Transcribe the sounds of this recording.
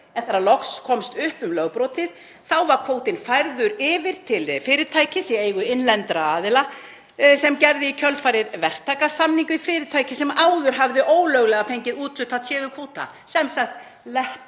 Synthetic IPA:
ɛnθaɾalɔkskʰɔmst̪ʏhpʏmlœɣpɾɔt̪ɪð | θawvaɾkʰvoːwt̪ɪnfajɾðʏɾɪːvɪɾ̥t̪ʰɪlfɪːɾɪɾt̪ʰaːjcɪsieːjɣʏɪnlɛnt̪ɾaaːðɪla | sɛmcɛɾðɪicʰœlfaːjɾɪɾvɛr̥t̪ʰaːkḁsamniŋkʏifɪːɾɪɾ̥t̪ʰaːjcɪsɛmʔaːwðʏɾ̥ɦavðɪʔoːwlœɣlɛɣafejɲcɪðuːt̪ʏt̪ʰat̪ʰjɛːðʏkʰvoːwt̪a̰ | sɛmsaxt̪ | lɛhp

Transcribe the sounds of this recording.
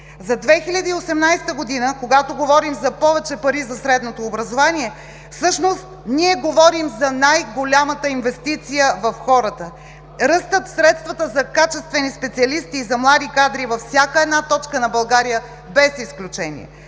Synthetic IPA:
zɐd̪vɛxilʲɐd̪iːosɛmnajst̪əɡod̪inəkoɡat̪oɡovɔɾimzɐpɔvɛt͡ʃɛpɐɾizɐsɾɛd̪not̪oːbɾɐzovaniɛ | fsɤʃnost̪niɛɡovɔɾimzɐnajɡolʲamət̪əinvɛst̪it̪sijəvɐfxɔɾət̪ə | ɾəst̪ət̪fsɾɛt̪st̪vɐt̪əzɐkat͡ʃɛst̪vɛnispɛt̪siɐlist̪iːzɐmlˠad̪ikad̪ɾivɐfsʲjakəɛd̪nat̪ɔt͡ʃkənɐbɐlˠɡaɾijə | bɛsisklʲut͡ʃɛnḭɛ̰

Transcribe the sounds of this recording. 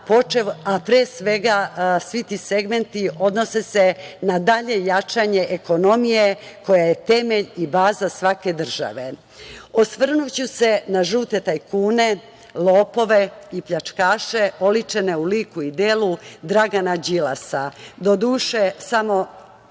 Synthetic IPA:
po̞t͡ʃeʋapɾeːsʋe̞ɡasʋit̪ise̞ɡme̞nt̪iʔo̞d̪no̞sesenad̪aʎe̞jat͡ʃaɲe̞ʔeko̞no̞mije̞ko̞jajet̪e̞me̞ʎibaːzasʋake̞d̪r̩ʒ̥a̰ʋe̞ | osʋr̩nut͡ɕuse̞naʒuːt̪et̪aikuːne̞ | lˠoːpo̞ʋe̞ipʎat͡ʂkaːʃeo̞lit͡ʃene̞uliːkuid̪eːlud̪ɾaɡanad͡ʑila̰sad̪o̞d̪uːʃesamo̞

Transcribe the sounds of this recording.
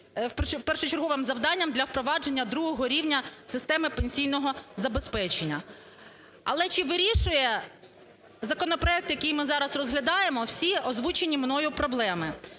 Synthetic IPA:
ppɛrʃʊt͡ʃerɦɔʋɪmzɐwd̪ɑnʲːɐmd̪lʲɐwpɾɔʋɑd͡ʒe̞nʲːɐd̪ɾuɦɔɦɔɾʲiwnʲɐsɪst̪ɛmɪpenʲsʲijnɔɦɔzɐbespɛt͡ʃenʲːɐ | ɐ̰lˠɛt͡ʃɪʋɪɾʲiʃʊjɛ | zɐkɔnɔpɾɔɛk̚t̪jɐkijmɪzɑɾɐsrɔzɦlʲɐd̪ɑjemɔwsʲiɔzʋut͡ʃenʲimnɔjʊpɾɔblˠɛmɪ

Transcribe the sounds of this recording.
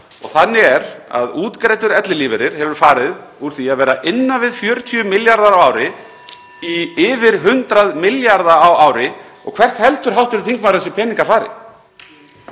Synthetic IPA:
ɔ̰ɣθanːɪɛɾa̰ðuːt̪kɾeːjt̪ʏɾɛt̪lɪliːvɛɾɪɾ̥hɛvʏɾ̥faːɾɪðuɾ̥θiaðvɛːɾaʔɪnːavɪðfjœːɾt̪ʰiʏmɪljaɾðaɾawaːwɾɪ | iɪvɪɾ̥ɦʏnt̪ɾaðmɪljaɾðaawaːwɾɪɔ̰ɣkʰv̥ɛr̥t̪hɛlt̪ʏɾ̥ɦawht̪ɛɾʏ̥θiŋkmaɾθɛsɪpʰɛːnĩŋkaɾfaːɾɪ̰

